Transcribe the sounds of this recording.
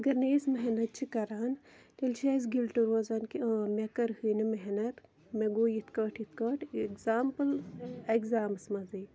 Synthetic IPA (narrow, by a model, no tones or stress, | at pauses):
ɐɡɐɾnesmɐɦnɐt̪̚t͡ʃʰikɐɾaːn | t̪elʲt͡ʃʰeːs̬ɡilʈɐɾoːzaːnkimekɐɾhuːnimeɦnɐt̪ | meɡoːjit̪ʰkɐːʈʰjit̪ʰkɐːʈkzaːmpɨlekzaːmɨsmɐziː